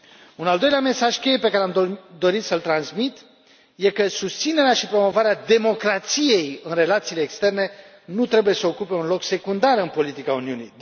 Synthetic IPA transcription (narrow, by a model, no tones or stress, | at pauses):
unald̪o̞jleame̞saʒke̞jepe̞kaɾeamd̪o̞ɾit̪səlt̪ɾansmit̪ | je̞kəsust̪sine̞ɾeaʃipɾo̞mo̞vaɾead̪e̞mo̞kɾat̪sije̞jɨnre̞lat̪siːle̞ːkst̪e̞rne̞ | nut̪ɾe̞buje̞səokupe̞unlo̞kse̞kund̪arɨnpo̞lit̪ikauniunḭj̪